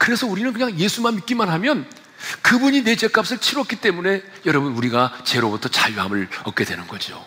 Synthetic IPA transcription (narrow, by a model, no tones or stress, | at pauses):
kɯɾe̞sʰʌuɾinɯnk̬ɯɲaŋje̞sʰumanmik͈imanɦamjʌn | kɯbuɲine̞d͡ʑe̞k͈ap̚s͈ʰɯɭt͡ɕʰiɾwʌtk͈it͈e̞mune̞ | jʌɾʌbɯnuɾiɡat͡ɕe̞ɾobutʰʌt͡ɕaʎuɦamɯɭʌk͈e̞dwe̞nɯnɡʌd͡ʑio̰